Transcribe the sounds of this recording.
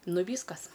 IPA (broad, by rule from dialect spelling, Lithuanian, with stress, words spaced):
ˈnʊ ˈʋʲiːskɐs